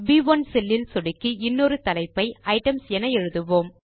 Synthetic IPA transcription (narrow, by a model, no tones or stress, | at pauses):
biʋɐnsɛlːɪlsɔɽɪkːiɪnːoːɾɯt̪ɐlɐɪpːɐɪɐɪʈɐmsɛnɐɛɻɯðɯʋoːm